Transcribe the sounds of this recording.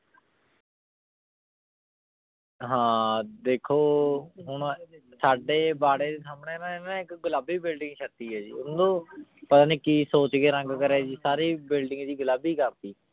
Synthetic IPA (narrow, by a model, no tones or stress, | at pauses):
ɦãːd̪eːkʰoːɦʊɳsaːɖeːbaːɽeːd̪eːsaːmɳeːnãːɪnãɪkɡʊlaːbiːbɪlɖɪ̃ŋɡʃət̪iːɦɛːd͡ʒḭːʊnd̪õːpət̪aːniːkiːsoːt͡ʃɡeːɾə̃ŋɡkəɾɛːd͡ʒiːsaːɾiːbɪlɖɪ̃ŋɡd̪iːɡʊlaːbiːkəɾt̪iː